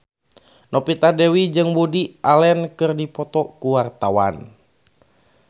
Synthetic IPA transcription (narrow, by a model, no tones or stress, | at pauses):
nɔpit̪adɛwid͡ʒɨŋbudiʔalɛnkɨrdipɔt̪ɔkuwart̪awa̰n